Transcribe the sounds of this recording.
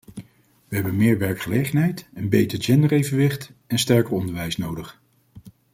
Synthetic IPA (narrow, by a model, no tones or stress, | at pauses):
ʋəɦɛbənmɪːɹʋɛɹkχəlejχənɦɛjtənbejtəɹd͡ʒɛndəɹejvənʋɪχtɛnstɛɹkəɹɔndəɹʋɛjsnowdəχ